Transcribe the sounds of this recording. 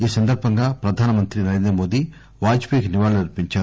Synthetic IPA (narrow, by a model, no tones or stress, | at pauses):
iːsɐnd̪ɐɾbʱɐŋɡaːpɾɐd̪ʱaːnɐmɐnt̪ɾinɐɾe̞ːnd̪ɾɐmo̞ːd̪i | ʋaːd͡ʒpikniʋaːɭuniɾpiɲt͡ʃaːɾu